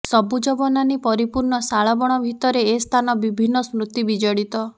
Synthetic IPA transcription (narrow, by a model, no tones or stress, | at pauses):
sɔbud͡ʒɔbɔnanipɔɾipuɾɳɔsaɭɔbɔɽ̃ɔbʱit̪ɔɾeːst̪ʰanɔbibʱinːɔsmɾut̪ibid͡ʒɔɽit̪ɔ